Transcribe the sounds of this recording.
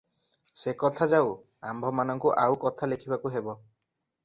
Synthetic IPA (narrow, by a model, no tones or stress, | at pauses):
sekɔt̪ʰad͡ʒaw | ambʱɔmanɔŋkuʔawkɔt̪ʰalekʰibakuɦebɔ